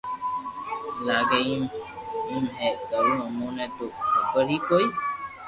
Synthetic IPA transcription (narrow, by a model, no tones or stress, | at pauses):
laːɡeimiːmɦɛːɡəɾũːəmõːnɛ̃ːt̪uːəbəɾɦiːkoːiː